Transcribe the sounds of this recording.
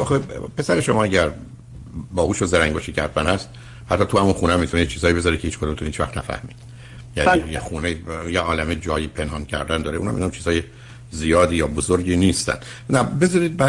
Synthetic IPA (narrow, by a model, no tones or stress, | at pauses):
ɒːxepʰe̞sæɾeʃomɒːæɟæɾ | bɒːhuːʃozeɾæŋɡboːʃicʰæɾfænhæst̪̚ | hæt̪ʰːɒːt̪ʰuhæmunxuːnæmit̪ʰunejet͡ʃʰiːzɒːjibe̞zɒːɾicʰeiːt͡ʃʰkod̪umt̪ʰoiːt͡ʃʰvæ̰xt̪næ̰fæ̰hmiːd̪̥ | jænijexuːneijeʔɒːlæmed͡ʒɒːjipʰe̞nhɒːncʰæ̰ɾd̪ænd̪ɒːɾeunhæ̰minɔmt͡ʃʰiːz̥ɒːje | zijɒːd̪iːjɒːbozoɾɟiːniːst̪æ̰nd̪ | næbe̞zɒɾiːd̪̚bæ